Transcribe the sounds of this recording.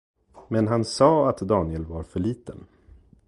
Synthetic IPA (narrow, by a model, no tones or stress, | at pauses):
mɛnɦansɑːat̪d̪ɑːnɪɛlvaɾfœɭiːt̪ən